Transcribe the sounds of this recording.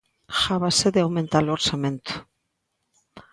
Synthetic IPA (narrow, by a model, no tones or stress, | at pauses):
xaβaseðeawment̪aloɾsament̪u̥